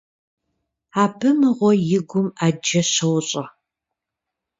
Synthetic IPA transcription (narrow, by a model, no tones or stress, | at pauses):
aːbʰɨmɨʁʷɔjɪɡʷʊmaːd͡ʒɐɕɐwɕʼɐ